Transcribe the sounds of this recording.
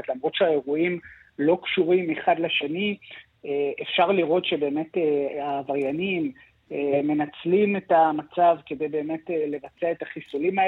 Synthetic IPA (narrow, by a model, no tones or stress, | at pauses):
tlamʁo̞tʃeaeʁuim | lo̞kʃuʁimeχadleʃeni | eefʃaʁliʁo̞t̪ʃe̞be̞ːme̞teavaʁjanim | eme̞nat͡slimetamat͡savke̞de̞jbe̞ːme̞tele̞vat͡se̞aetaχisulima